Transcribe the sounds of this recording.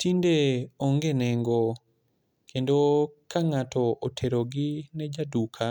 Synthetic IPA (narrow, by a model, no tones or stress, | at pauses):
tindeoŋɡenɛŋɡo | kʰendokaŋatɔʔotʰeɾoɡɪnɛd͡ʒadukʰa